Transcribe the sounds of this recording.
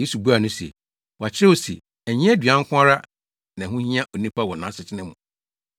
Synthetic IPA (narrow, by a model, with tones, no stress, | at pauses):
e˦su˨bu˦a˨nʊ̃˦sḛ˨ | wɔ˨a˨t͡ɕʰɪ˦ɾɛ˦o˨sḛ˨ | æ˨ɲɪ̃˦ɛ˦dɥã˦ŋ̩˦kʷʰʊ̃˦a˦ɾa˦ | nã˨ɦʊ̃˦hĩ˦ã˦ʔo˨nĩ˦pa˦wɔ˨nã˨˦sɪ˨t͡ɕʰɪ˦nɪ̃˦mʊ̃˨